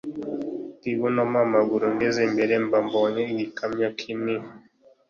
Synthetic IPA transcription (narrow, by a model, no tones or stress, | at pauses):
tiβunamamaɡuɾuŋɡezembeɾembamboɲeiɡikamɲakʰini